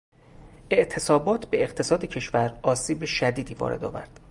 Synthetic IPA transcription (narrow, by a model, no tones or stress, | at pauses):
e̞ʔt̪ʰe̞sɒːbɒːt̪ʰbe̞eqt̪ʰe̞sɒːd̪ecʰe̞ʃvæɾɒːsiːbeʃæd̪iːd̪iːvɒ̰ːɾe̞d̪ɒ̰ːvæ̰ɾd̪̥